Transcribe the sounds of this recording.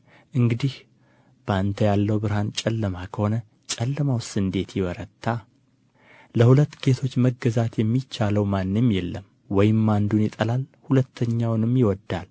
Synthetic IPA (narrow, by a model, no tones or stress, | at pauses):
ʔɨŋɡɨd̪ih | b̥əant̪ʰəjalːəwbɨɾhant͡ʃʼɛlːəmakʰəho̞nə | t͡ʃʼɛlːəmawsɨnd̪e̞t̪ʰjɪwɔɾət̪ʰːa | ləhulət̪ːɡe̞t̪ʰo̞t͡ʃːməɡəzat̪jɛmːit͡ʃːaləwmanːɨmjɛlːəm | wɔjɪmːand̪unjɪt̪ʼəlalhulət̪ʰːəɲːawnɨmːjɪwɔd̪ːal